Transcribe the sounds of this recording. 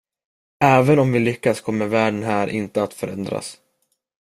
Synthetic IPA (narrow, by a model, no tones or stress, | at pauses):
ɛːvənɔmvɪlʏkːaskʰɔmːəɾvæːɖənɦæːɾʔɪ̰nt̪əat̪fœɾɛ̰nd̪ɾa̰s